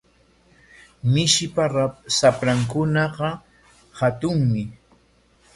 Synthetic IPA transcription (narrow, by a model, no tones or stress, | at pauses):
mɪʃɪpaɾasapɾaŋkʊnɑɢɑ | hat̪ʊŋmɪ